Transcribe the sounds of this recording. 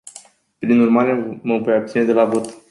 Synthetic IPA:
pɾinurmaɾe̞məvojab̚t̪sine̞d̪e̞lavo̞t̪

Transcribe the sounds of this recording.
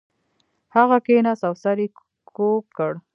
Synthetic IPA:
haɣakenasawsaɾi | kʰok̚kəɽ

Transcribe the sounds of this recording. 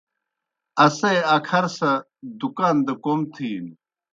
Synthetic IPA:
ɐsejɐkʰɐɾsɐ | d̪ukaːnd̪əkomt̪ʰiːn

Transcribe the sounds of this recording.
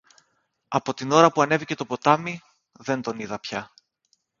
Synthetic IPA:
ɐpo̞t̪ino̞ɾɐpuɐne̞vice̞t̪o̞po̞t̪ɐmi | ðe̞nd̪o̞niðɐpçɐ

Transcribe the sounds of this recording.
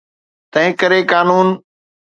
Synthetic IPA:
t̪ɐ̃ɦɪ̃kəɾekaːnuːn

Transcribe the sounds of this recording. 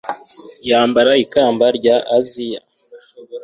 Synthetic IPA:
jaːmbaɾaikaːmbaɾɟaʔːzija

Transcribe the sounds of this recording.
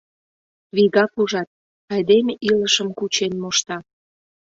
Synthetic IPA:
βiɣɑkuʒɑt̪̚ | ɑjd̪emeʔiləʃəmkut͡ɕenmoʃt̪ɑ

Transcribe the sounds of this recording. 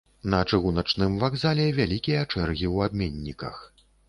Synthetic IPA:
nɐt͡ʂɨɣunɐt͡ʂnɨmvaɡzalʲɛvʲalʲikʲijɐt͡ʂɛrɣʲiwab̚mʲenʲːikɐ̰x

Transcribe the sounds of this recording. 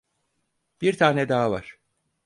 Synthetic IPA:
b̥iɾt̪ʰaːnɛd̪aːva̰ɾ̥

